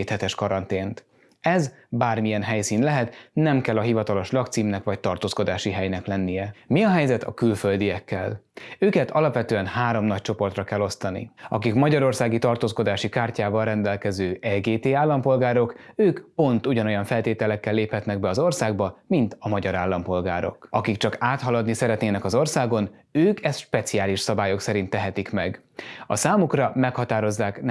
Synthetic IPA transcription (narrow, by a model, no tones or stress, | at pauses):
t̪hɛt̪ɛʃkɒɾɒnt̪eːnt̪ | ɛzbaːrmijɛnɦɛjsiːnlɛɦɛt̪nɛmkɛlːɒɦivɒt̪ɒlo̞ʃlɒkt̪siːmnɛkʋɒc̚t̪ɒrt̪oːsko̞d̪aːʃiɦɛjnɛklɛnːijɛmiɒɦɛjzɛt̪ʰɒ̰kylfø̞ld̪ijɛkːɛløːkɛt̪ʰɒlɒpvʋɛt̪øːɛnhaːɾo̞mnɒc̚t͡ʃo̞po̞rt̪rɒkɛlːo̞st̪ɒnḭɒkikmɒɟɒɾo̞rsaːɡit̪ɒrt̪oːsko̞d̪aːʃikaːrcaːvɒlrɛnd̪ɛlkɛzøːʔɛɡeːt̪eːaːlːɒmpo̞lɡaːɾo̞køːkpo̞nt̪uɟɒno̞jɒɱfɛlt̪eːt̪ɛlɛkːɛlːeːphɛt̪nɛɡbɛɒzo̞rsaːɡbɒmint̪ɒmɒɟɒɾaːlːɒmpo̞lɡaːɾo̞̰kɒkikt͡ʃɒkaːt̪ɦɒlɒd̪nisɛɾɛt̪neːnɛkɒzo̞rsaːɡo̞n | øːkɛst̪ʃpɛt̪sijaːliʃsɒbaːjo̞ksɛɾint̪ːɛɦɛt̪ikmɛɡ | ɒsaːmukrɒmɛkhɒt̪aːɾo̞zːaːkn